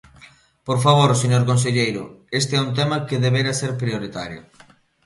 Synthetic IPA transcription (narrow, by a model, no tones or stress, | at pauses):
poɾfaβ̞oɾseɲoɾkons̬eʎejɾʊ̰est̪eɛunt̪̬ɛmɐkeðeβeɾaseɾpɾioɾit̪aɾjʊ̰